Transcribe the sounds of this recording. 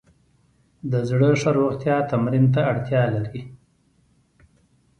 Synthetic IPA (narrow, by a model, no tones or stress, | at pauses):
d̪əzɽəʂaɾoɣt̪jɑt̪amɾint̪̬aːɽt̪jɑlaɾi